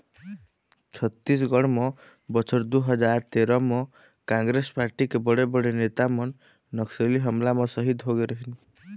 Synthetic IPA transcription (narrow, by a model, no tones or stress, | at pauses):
t͡ʃʰɔt̪ːis̬ɡɔɽ̃mɔ | bɔt͡ʃʰɔɾd̪uɦɔd͡ʒaɾt̪eɾɔmɔ | kaŋɡɾespaɾʈikebɔɽebɔɽenet̪amɔnː | ɔkseliɦɔmlamɔsɔɦit̪ɦoɡeɾɔɦin